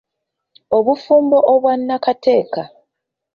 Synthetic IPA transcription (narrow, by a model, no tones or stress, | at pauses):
oβufuːmbo̞ʔoβwanːakate̞ːka